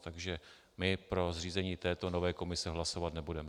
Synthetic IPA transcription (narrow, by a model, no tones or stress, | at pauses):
t̪aɡʒɛ | mɪpɾo̞zriːzɛɲiːt̪ɛːt̪o̞no̞vɛːko̞mɪsɛɦlasovat̪nɛbudɛm